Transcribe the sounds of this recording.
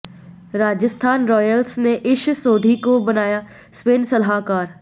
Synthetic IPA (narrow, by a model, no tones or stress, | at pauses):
ɾaːd͡ʒəst̪ʰaːnɾɔːjəlsneʔɪʃsoːɖʱikobɐnaːja | speːnsɐlɦakaːɾ